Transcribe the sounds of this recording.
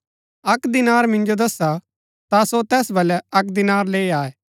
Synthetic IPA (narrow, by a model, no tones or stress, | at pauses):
ɐkd̪ɪnaːɾmɪ̃nd͡ʒod̪ɐsa | t̪asot̪ɛːsbɐlɛɐkd̪ɪnaːɾleːiaːeː